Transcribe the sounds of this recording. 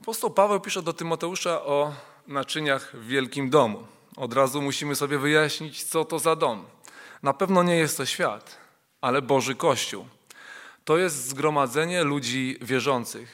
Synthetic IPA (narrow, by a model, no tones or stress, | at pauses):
apɔst̪ɔwpavɛwpʲiʂɛd̪ɔt̪ɘmɔt̪ɛuʂaʔɔ | nat͡ʂɘɲaɣvvʲjɛlkʲimd̪ɔmu | ɔd̪ɾazumuɕimɘsɔbʲjɛvɘjaɕɲit͡ɕt̪sɔt̪ɔzad̪ɔmnapɛvnɔɲɛjɛst̪ːɔɕfʲja̰t̪ | alɛbɔʐɘkɔɕt͡ɕṵw | t̪ɔjɛst̪zɡɾɔmad̪zɛɲɛlud͡ʑivʲjɛʐɔnt̪sɘx